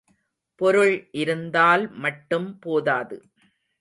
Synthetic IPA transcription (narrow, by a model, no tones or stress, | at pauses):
pɔɾɯɭʔɪɾɯnd̪aːlmɐʈːɯmpoːðaːðɯ̰